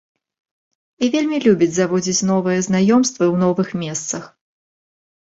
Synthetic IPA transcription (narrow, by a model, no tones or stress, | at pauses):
ivʲelʲmʲilʲubʲid͡zʲzavɔd͡zʲit͡sʲn̪ɔvɨjɛznajɔmst̪vɨwn̪ɔvɨxmʲɛst̪sɐx